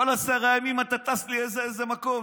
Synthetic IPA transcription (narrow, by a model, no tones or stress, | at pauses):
olasaʁajamimat̪at̪asliezeezemako̞